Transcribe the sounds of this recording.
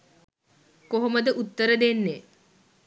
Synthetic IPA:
koɦoməd̪əʔut̪ːəɾəd̪enːe

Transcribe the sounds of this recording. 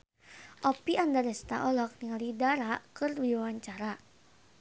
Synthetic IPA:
ʔɔpiʔandadɛst̪a̰ʔɔlɔk̚niŋalidaɾakɨrdiawaɲt͡ʃaɾa

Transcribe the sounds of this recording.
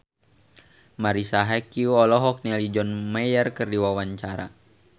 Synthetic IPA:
maɾisaɦɛkiuɔlɔɦɔk̚nialid͡ʒɔnmɛjərkərdiwawaɲt͡ʃaɾa̰

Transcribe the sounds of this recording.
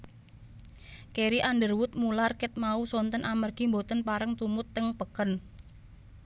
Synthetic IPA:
keɾiʔandərwʊt̪̚mularkɪt̪̚mausɔnt̪ənʔamərɡ̥imbot̪ənpaɾəŋt̪umʊt̪ːɪŋpəkən

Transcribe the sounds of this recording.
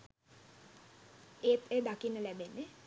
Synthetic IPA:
eːt̪eːd̪akinːəlæbenːe

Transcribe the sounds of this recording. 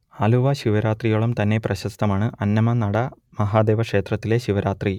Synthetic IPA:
aːluʋɐɕiʋɐɾaːt̪rijɐɭumt̪ɐnːe̞prɐɕɐst̪ɐmaːɳɨʔɐnːɐmɐnɐɽɐ | mɐɦaːd̪e̞ːʋɐkʂe̞ːt̪rɐt̪ːile̞ɕiʋɐɾaːt̪ri

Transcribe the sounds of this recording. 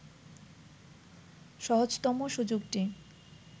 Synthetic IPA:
ʃɔɦod͡ʑt̪ɔmoʃud͡ʑoɡʈi

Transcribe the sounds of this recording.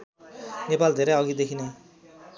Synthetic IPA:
nepald̪ʱeɾeɔɡid̪ekʰine

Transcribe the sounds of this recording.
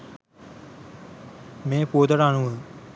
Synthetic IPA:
mẽːpoːd̪əɽaːɳũː

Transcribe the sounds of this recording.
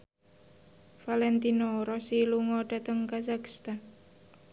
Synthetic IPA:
falɛnt̪inoɾɔsiluŋɔɖat̪əŋkasaki̥st̪an

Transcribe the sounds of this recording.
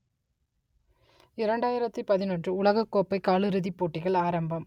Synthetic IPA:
ɪɾɐɳɖaːjɪɾɐt̪ːɯpɐðɪnɐnɖdrɯʊɭɐɣɐkːoːpːɐɪkaːɭɯɾɯðipːoːʈːɪɣɐɭaːɾɐmbɐm

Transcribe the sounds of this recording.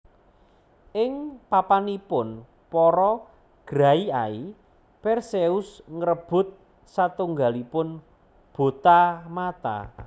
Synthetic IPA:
ʔɪŋpapanipʊn | pɔɾɔ | ɡ̥ɾaiai | pɛrseʊsŋɾəb̥ʊ̤t̪̚ | sat̪uŋɡalipʊn | b̥o̤t̪amat̪a̰

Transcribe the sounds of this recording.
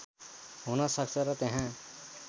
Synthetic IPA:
ɦunʌsʌk̚t͡sʰʌɾʌt̪eɦã

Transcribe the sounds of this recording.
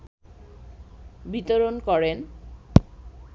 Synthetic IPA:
bit̪oɾonkɔɾen

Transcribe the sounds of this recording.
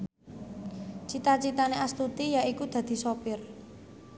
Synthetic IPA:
t͡ʃit̪at͡ʃit̪aneʔast̪ut̪ijaikud̪̥ä̤d̪̥i̤sopɪr

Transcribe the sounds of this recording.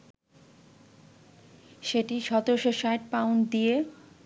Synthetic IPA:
ʃeʈiʃɔt̪ooʃoʃajʈ̚pawnd̪ije

